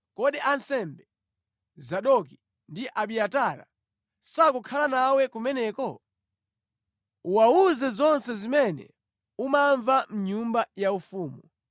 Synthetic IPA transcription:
kɔɗiʔansɛmbɛ | zaɗɔki | ndiʔaɓiataːɾa̰ | sakukʰalanawɛkumɛnɛːkɔ | uwauzɛzɔnsɛzimɛnɛ̰ | umaɱvam̩ɲumbajaufuːmu

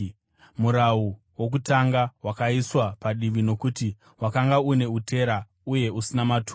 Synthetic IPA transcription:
muɾau | wo̞k̬utaŋɡawakaiswapaɗiʋino̞kuti | wakaŋɡaune̞utʰe̞ɾa | uje̞usinamatʰu

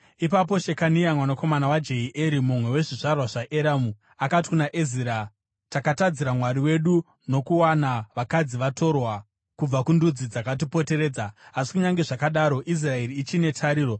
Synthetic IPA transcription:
ipap̬o̞ʃe̞kaniamwanako̞manawad͡ʒe̞iʔeɾimumwe̞we̞ʐiʐarwaʐaʔeɾamu | akati̥kunaʔeziːɾa | takatad͡ziɾamwaɾiwe̞ɗu | no̞kuwanaʋakad͡ziʋato̞rwa | kub͡vakundud͡zid͡zakat̬ipo̞te̞ɾe̞ːd͡zaːsi̥kuɲaŋɡe̞ʐakaɗaɾo̞ʔis̬rae̞riːt͡ʃine̞tʰaɾiːro̞

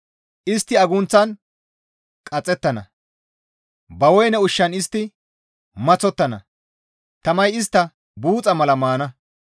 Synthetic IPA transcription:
ʔɪst̪ːɪɐɡʊnt͡sːɐn | kʼɐt͡sʼːɛt̪ːɐnɐ̰ | bɐwɔjnɛʊʃːɐnɪst̪ːɪ | mɐt͡sɔt̪ːɐnɐ̰ | t̪ɐmɐjɪs̬t̪ːɐ | buːt͡sʼɐmɐlɐmaːnɐ

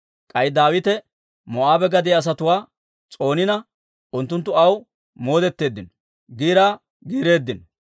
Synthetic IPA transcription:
kʼɐjd̪aːwɪt̪ɛ | mɔʔaːbɛɡɐd̪ɪɐs̬ɐt̪ʊwaː | t͡sʼo̞ːnɪnɐ | ʔʊnt̪ːʊnt̪ːʊɐw | mo̞ːd̪ɛt̪ːe̞ːd̪ːɪnɔ | ɡiːɾaː | ɡiːɾe̞ːd̪ːɪnɔ

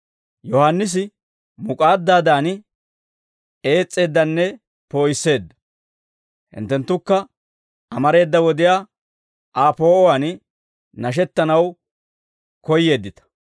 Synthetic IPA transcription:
jɔhanːɪs̬ɪ | mʊkʼaːd̪ːaːd̪aːn | e̞ːt͡sʼːe̞ːd̪ːɐnːɛ | po̞ːjɪsːe̞ːd̪ːɐ̥ | hɪ̰nt̪ːɛnt̪ːʊkːɐ | ʔɐmɐɾe̞ːd̪ːɐwɔd̪ɪjaː | ʔaːpo̞ːɔwan | nɐʃ̬ɛt̪ːɐnɐw | kɔjːe̞ːd̪ːɪt̪ɐ̥

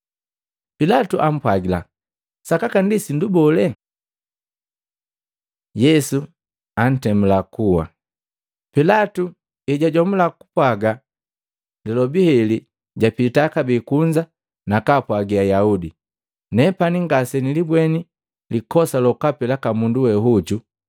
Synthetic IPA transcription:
pilatuʔam̩pwaɡila̰ | sakakandisindubɔlɛ | jɛsu | an̩tɛmulakuwa̰ | pilatu | ɛɟaɟɔmulaku̥pwaɡa | nɛlɔbihɛli | ɟapitakabikuɲd͡ʒa | nakapwaɡiajaudi | nɛpaniŋɡasɛnilibwɛni | likɔsalɔkapɛlakamunduwɛɦuɟu

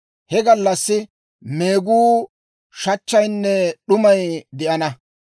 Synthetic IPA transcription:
hɛɡɐlːɐsːɪ | me̞ːɡuː | ʃɐt͡ʃːɐjnːɛɗʊmɐjd̪ɛʔɐnɐ

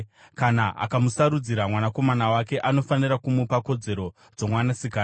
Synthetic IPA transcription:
kanaʔa̰kamusaɾud͡ziɾamwanako̞manawake̞ʔano̞faniɾakumupako̞d͡ze̞ɾo̞ | d͡zo̞mwanasikaː

